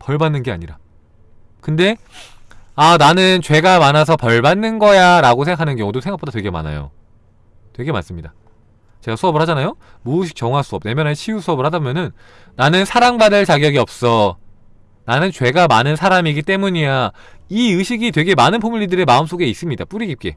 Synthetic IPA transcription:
pʌɭbanːɯnɡe̞a̰ɲiɾa | kɯnde̞ | ananɯnt͡ɕwe̞ɡamanasʰʌpʌɭbanːɯnɡʌjaɾaɡosʰeŋɡakʰanɯnkjʌŋudosʰeŋɡak̚p͈odatwe̞ɡe̞ma̰na̰jo̰ | twe̞ɡe̞ma̰ns͈ɯmɲida | t͡ɕe̞ɡasʰuʌbɯɭhad͡ʑanajo | muːɕ̬ʰi̥k̚t͡ɕ͈ʌŋɦas͈ʰuʌp̚ne̞mjʌnɦanɕʰijusʰuʌbɯɭhadabomjʌnɯnː | anɯnsʰaɾaŋbadɯɭt͡ɕaɡjʌɡiʌp̚s͈ʌ | nanɯnt͡ɕwe̞ɡamanɯnsʰaɾamiɡit͈e̞muɲijaiɯɕʰiɡitwe̞ɡe̞manɯnpʰomuʎːidɯɾe̞maɯms͈oɡe̞is͈ɯmɲidap͈uɾiɡip̚k͈e̞

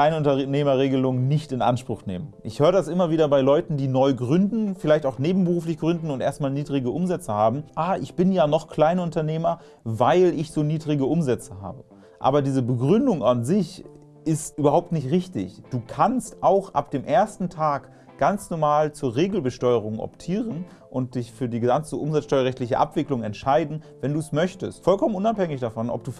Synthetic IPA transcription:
aɪnʊntɐneːmɐʁeːɡəlʊŋnɪçtɪnʔa̰nʃpʁ̥ʊxnḛːmənʔɪçhøːʁədasʔɪmɐviːdɐbaɪlɔʏtn̩diːnɔʏɡʁʏndn̩fɪlaɪçtaʊxneːbm̩bəʁuːflɪçɡ̥ʁʏndn̩ʊntʔeːɐstmaːlniːdʁɪɡəʔʊmzɛt͡səhaːbm̩ʔaːʔɪçb̥ɪnjaːnɔχkl̥aɪnʊntɐneːmɐ | vaɪlɪçz̥oːniːdʁɪɡəʔʊmzɛt͡səɦa̰ːbə | ʔa̰ːbɐdiːzəbəɡʁʏndʊŋanzɪç | ʔɪstʔyːbɐɦaʊp̚tnɪçtʁɪçtɪ̰çd̥uːkʰanstʔaʊxʔa̰p̚d̥eːmʔeːɐstn̩tʰaːk | ɡ̥ant͡snɔɐmaːlt͡suːɐʁeːɡl̩bəʃtɔʏəʁ̞ʊŋʔɔ̰ptʰiːʁən | ʔʊnt̚d̥ɪçfyːɐdiːɡəzant͡səʔʊmzat͡sʃtɔʏɐʁɛçtlɪçəʔa̰pv̥ɪklʊŋɛntʃaɪdn̩vɛnduːsmœçtəstfɔlkʰɔmənʔʊnaphɛŋɪçd̥afɔnʔɔ̰p̚d̥uː

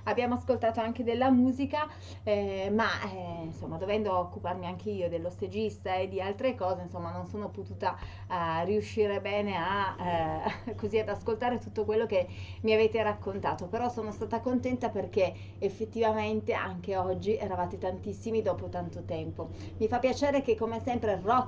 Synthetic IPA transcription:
abjaːmoaskolt̪aːt̪oaŋk̟ed̪elːamuːzika | ɛmainsomːad̪ovɛnd̪ookːuparmiaŋk̟ʰeiːod̪elːosed͡ʒist̪aed̪ːialt̪ɾekɔːzeinsomːanonsoːnopot̪uːt̪a | riuʃːiːɾebɛːnea | koziad̪askolt̪aːɾet̪ut̪ːokwelːokemiaveːt̪eɾakːont̪aːt̪opeɾɔsoːnost̪aːt̪akont̪ɛnt̪aperk̟e | efːet̪ːivament̪eʔaŋk̟eɔd͡ʒːiʔɛɾavaːt̪et̪ant̪isːimid̪ɔːpot̪ant̪ot̪ɛmpo | mifapːjat͡ʃeːɾek̟ekːomesɛmpɾerɔ

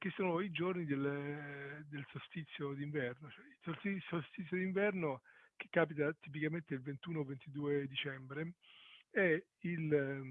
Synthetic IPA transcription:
k̟esːoːnoid͡ʒornid̪el | d̪elsost̪it̪sːjod̪iɱvɛrnot͡ʃoɛilsoisost̪it̪sːjod̪iɱvɛrnok̟e̥kːaːp̬it̪at̪ip̬ikament̪eilvent̪uːnovent̪id̪uːed̪it͡ʃɛmbɾe | ɛ | il

